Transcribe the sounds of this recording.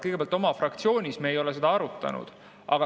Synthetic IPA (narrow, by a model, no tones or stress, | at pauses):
kɤjɡejɑlt̪o̞mɑfrɑkt̪sio̞ːnʲismeːjo̞le̞se̞d̪̥ɑɑɾut̪ːˑɑ̰nṵd̪̥ | ʔɑ̰ɡ̥ɑ